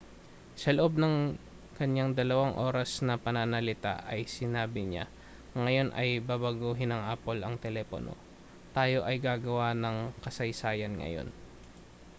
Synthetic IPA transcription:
sɐloʔo̞b̚nɐŋ | kɐɲjaŋd̪ɐlɐwaŋʔo̞ːɾɐsnɐpɐnanɐlɪt̪a̰ʔɐjsɪnaːbɪɲa̰ | ŋɐjo̞nʔɐjbabɐɡuːɦɪnɐŋʔaːpolɐŋt̪ɛlɛːpo̰no̰ | t̪aːjo̞ʔɐjɡaːɡɐwanɐŋkɐsɐjsaːjɐnŋɐ̰jo̞̰n

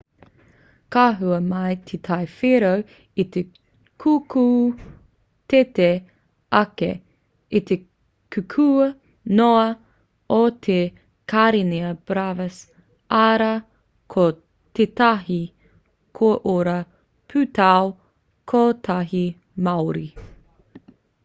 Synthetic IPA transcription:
kaːɦuɐmɐjt̪ʰet̪ʰajfeɾow | it̪e | kʰuku | tete | ɐke | it̪ʰe | kʰʉkʰuɐ | noɐ | ot̪ʰe | kʰaɾineɐb̥ɾavɐs | aɾɐ | kʰo | t̪etaɦi | kʰoʔoɾa | pʰʉtaw | kʰoːtʰaɦi | mawɾi

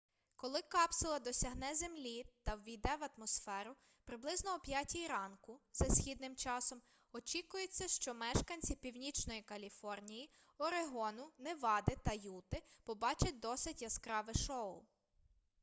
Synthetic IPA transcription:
kɔlˠɪkɑpsʊlˠɐd̪ɔsʲɐɦnɛzemlʲit̪ɐwʋʲijd̪ɛʋɐt̪mɔsfɛɾʊ | pɾɪblˠɪznɔɔpʲjatʲijɾɑnkʊzɐsʲxʲid̪̚nɪmt͡ʃɑsɔm | ɔt͡ʃʲikʊjet͡sʲːɐʃt͡ʃɔmɛʃkɐnʲt͡sʲipʲiwnʲit͡ʃnɔjikɐlʲifɔrnʲiji | ɔɾeɦɔnʊneʋɑd̪ɪt̪ɐjut̪ɪpɔbɑt͡ʃɐt̚ʲd̪ɔsɪtʲjɐskɾɑʋɪʃɔʊ

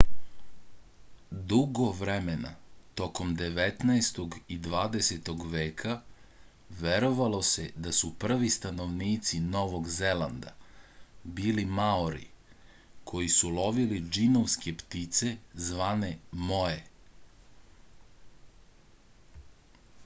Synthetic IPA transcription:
d̪uɡo̞ʋɾemena̰t̪o̞ko̞md̪e̞ʋet̪naest̪o̞ɡid̪ʋaːd̪e̞set̪o̞ɡʋe̞ːkʰa | ʋeɾo̞ʋalˠo̞se̞d̪asupr̩ʋist̪ano̞ʋniːt̪sino̞ʋoɡzela̰nd̪a̰ | biːlimaoɾḭ | kʰo̞jisulo̞ʋilid͡ʒinoʋske̞pt̪it̪se̞zʋaːne̞moe

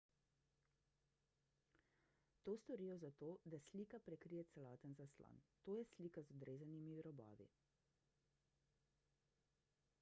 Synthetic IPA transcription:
t̪oːst̪ɔɾiːjɔzat̪oːd̪asliːkapɾɛkɾiːjɛt̪sɛlɔːt̪ənzaslɔ̰nt̪oːjɛsliːkazɔd̪ɾeːzanimiɾɔbɔ̰ːʋḭ

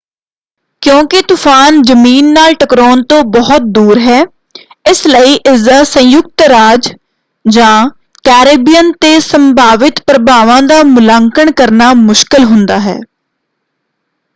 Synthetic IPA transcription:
kjõːkɪt̪ʊfʰaːnd͡ʒəmiːnːaːlʈəkɾoːnt̪õːbɔɦʊt̪̚d̪uːɾɦɛː | ɪsləiːʔɪzaːsə̃jʊk̚t̪ɾaːd͡ʒ | d͡ʒãː | kɛːɾeːbijənt̪eːsəmbʱaːʋɪt̪pɾəbaːʋãːd̪aːmʊlaŋkəɳkəɾnaːmʊʃkɪlɦʊnd̪aːɦɛ̰ː

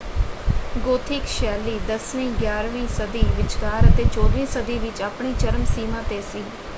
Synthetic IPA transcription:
ɡoːt̪ʰɪkʃɛːliːd̪əsʋĩːɡjaːɾʋĩːsəd̪iːʋɪt͡ʃkaːɾət̪eːt͡ʃoːd̪ʋĩːsəd̪iːʋɪt͡ʃaːpɳiːt͡ʃəɾəmsiːmãːt̪eːsiː

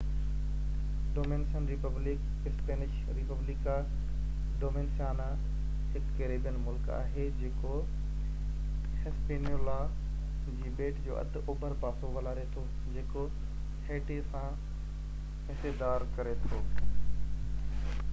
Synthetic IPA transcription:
ɖoːmeːnsənɾɪpəblɪk | speːnɪʃ | ɾɪpɐblika | ɖoːmensaːna | ɦɪkːɐɾiːbijən̆mʊlka̰ːɦed͡ʑeːko | hɛspeːnijoːla | d͡ʑiːɓeːʈd͡ʑo̰ːʔɐ̰d̪ʱoːbʱəɾpaːsoʋɐlaːɾet̪ʰo | d͡ʑeːko | heːʈisã | ɪt̪ed̪aːɾkɐɾet̪ʰoː

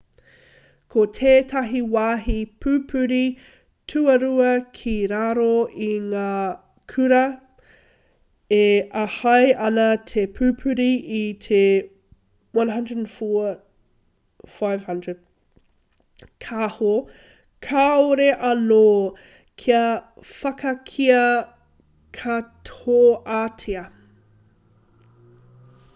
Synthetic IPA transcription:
kʰot̪ʰeːtʰɐɦiwaːɦipʰʉpʰʉɾi | tʰuɐɾuɐkʰiɾaɾoiŋaː | kʰʉɾɐ | eʔɐhɐjɐnɐt̪ʰepʰʉpʰʉɾiit̪ʰe | wɐ̃nɦɐ̃ndɹədnfɔ | fajv̥hɐ̃ndɹəd̥̚ | kʰaːho | kʰaːoɾeʔɐno | kʰiɐfɐkʰɐkʰiɐ | kʰɐtʰoːʔaːtʰeɐ

